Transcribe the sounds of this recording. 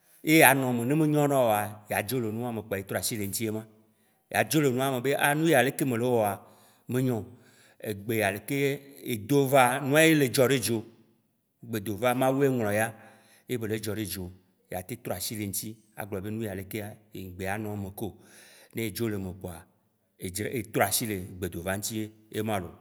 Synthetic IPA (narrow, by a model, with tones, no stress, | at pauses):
je˦ja˨nɔ̃˨me˨nẽ˦mẽ˦ɲɔ̃˦nɔ̃˦wo˨a˨ja˨d͡ʒo˦le˨nũ˦a˦me˨k͡pe˦t̪ɾɔ˦a˨si˦le˨ŋ̩˦ti˦e˦mã˦ | ja̰˨d͡ʒo˦le˨nũ˦a˦˨me˨be˦ʔa˦nũ˦ja˨le˦ke˦mẽ˨le˦wɔ˨a˨ | mẽ˦ɲɔ̃˦˨ | ḛ˨ɡ͡be˨ja˨le˨ke˦e˨d̪o˦va˦nũ˦a˦je˦le˨d͡ʒɔ˨ɖe˦d͡ʒo˨ | ɡ͡be˨d̪o˨va˦mã˦wu˦e˦ŋlɔ̃˨ja˦ | je˦be˨le˨d͡ʒɔ˨ɖe˦d͡ʒo˨ | ja˨t̪e˦t̪ɾɔ˦a˨si˦le˨ŋ̩˦t̪i˦ | a̰˨ɡ͡blɔ˨be˦nũ˦ja˨le˨ke˦a˦ḛ˨ɡ͡be˨a˨nɔ̃˦mẽ˨ko˦˨nẽ˦˨d͡ʒo˦le˨me˨k͡po˨a˨ | e˨e˨t̪ɾɔ˦a˨si˦le˨ɡ͡be˨d̪o˨va˦ŋ̩˦t̪i˦e˦e˦mã˦lo̰˨